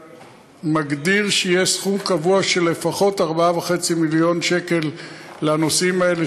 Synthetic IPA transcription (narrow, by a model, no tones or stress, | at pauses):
maɡdiʁʃejesχumkavuaʃelefaχo̞taʁbaaveχe̞t͡similjo̞nʃe̞ke̞lːeano̞simae̞le